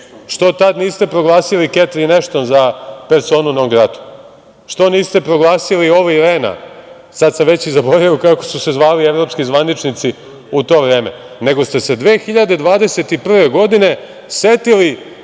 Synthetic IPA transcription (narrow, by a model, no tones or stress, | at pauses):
ʃt̪o̞t̪ad̪niːst̪e̞pɾo̞ɡlˠaːsiliket̪ɾineʃt̪onzapeɾso̞ːnunoɡɾat̪u̥ | ʃt̪o̞niːst̪e̞pɾo̞ɡlˠaːsilio̞ʋaiɾeːna̰ | sad̪samʋe̞t͡ɕizabo̞ɾajukakosuse̞zʋaːlieʋɾo̞pskizʋanit͡ʃnit̪si | ut̪o̞ːʋɾe̞ːme | ne̞ɡo̞st̪e̞se̞d̪ʋe̞ːxiʎad̪e̞d̪ʋaːd̪e̞se̞t̪ipr̩ʋe̞ɡo̞d̪ine̞ | set̪ili